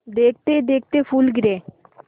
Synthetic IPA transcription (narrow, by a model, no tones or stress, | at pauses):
d̪ek̚ʰt̪ed̪eːk̚ʰt̪efʰulɡɾe